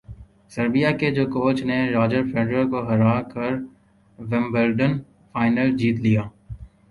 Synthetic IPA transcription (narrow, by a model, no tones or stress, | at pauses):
sɐɾbijaked͡ʒoːkoːt͡ʃneɾaːd͡ʒəɾfeːɖɾəɾkoɦɐɾaːkɐɾ | ʋɛ̃mbəɾɖən | faːɪnəld͡ʒiːt̪lijaː